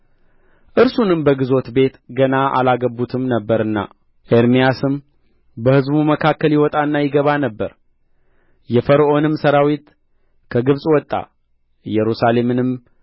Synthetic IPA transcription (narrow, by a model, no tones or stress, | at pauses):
ʔɨɾsunɨmbəɡɨzo̞t̪be̞t̪ɡənaʔa̰laɡəbːut̪ʰɨmnəbːəɾɨnːa̰ | ʔeɾmijasɨm | bəhɨzbuməkʰakːəljɪwɔt̪ʼaɨnːajɪɡəβanəbːəɾ | jɛfəɾʔo̞nɨmsəɾawit̪ | kʰəɡɨβsʼwɔt̪ʼːa̰ | jɛɾusale̞mɨnɨm